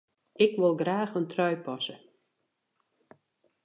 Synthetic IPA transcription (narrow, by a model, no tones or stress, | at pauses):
ɪkʋolˠɡraːxəntrœɥpɔsə